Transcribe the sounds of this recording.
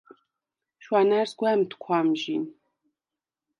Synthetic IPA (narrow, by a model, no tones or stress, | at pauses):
ʃʷɑːnarsɡʷamtʰkʷʰɑːmʒiːn